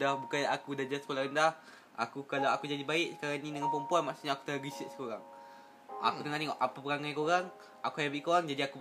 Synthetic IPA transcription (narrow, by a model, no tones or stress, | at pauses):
dahbukanakudahd͡ʒasəkolaɾəndah | a̰kukalawakud͡ʒadibaɪʔsə̥kaɾaŋnĩdəŋanpɔmpuanmaʔsuɲaːku̥t̪əŋaɡisətsi̥koɾaŋ | a̰kut̪əŋaniʔapapəɾaŋajkoɾaŋ | akuɦajabiʔkoɣaŋd͡ʒadiaku